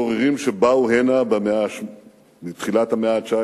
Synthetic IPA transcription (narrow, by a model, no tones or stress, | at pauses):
oʁeʁimʃebauɦenabemeaʃ | mit̪χilat̪hameaːt͡ʃa